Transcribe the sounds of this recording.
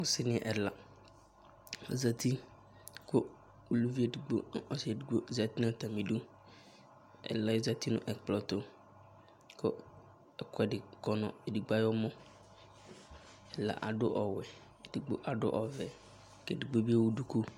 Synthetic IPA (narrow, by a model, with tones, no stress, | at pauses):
ʊ̃˨sɪ˦nɪ̃˨˦˨ʔɛ˨la˨ | a˨za˨t̪i˦ | kʊ˦ | u˨lu˦vi˦e˨di˨ɡ͡bo̰˦ɔ˦se˨di˨ɡ͡bo˦˨za˨t̪i˦nã˦t̪a˨mĩ˨dʊ˦ | ɛ̰˨la˦je˦za˦t̪i˦nʊ̰̃˦ʔɛ˨k͡plɔ˨t̪o˦ | kʊ˦ | ɛ˨kɛ˨dɪ˨kɔ˨nɔ̰̃˨e˨di˨ɡ͡ba˦jɔ˦mɔ̃˦ | ɛ˨la̰˨ʔa̰˨dʊ˦ʔɔ˨wɛ˨ | di˨ɡ͡bo̰˦ʔa˨ɖʊ̰˦ʔɔ˨vɛ˨ | kɛ˨di˨ɡ͡bo˦bi˦a˦wu˦du˦ku˦